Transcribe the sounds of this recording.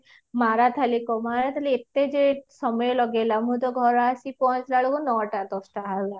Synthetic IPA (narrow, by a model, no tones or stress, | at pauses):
maɾat̪ʰalikɔmaɾat̪ʰaliet̪ed͡ʒesɔmɔjelɔɡelamũt̪ɔɡʱɔɾasipɔ̃ɦt͡ʃlaɭokunɔʈat̪ɔsʈaɦala